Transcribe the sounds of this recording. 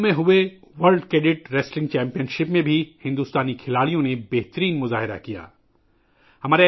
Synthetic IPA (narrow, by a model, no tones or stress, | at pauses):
mẽɦʊe | ʋɐɾlɖkɾeːɖɪʈɾeːslɪ̃ŋɡt͡ʃɛ̃ːmpijənʃɪpmẽbʱihɪ̃nd̪uːst̪aːnikʰɪlaːɭijõnebeɦt̪əɾiːnmʊzaːɦɪɾa̰kija̰ː | hɐmaːɾe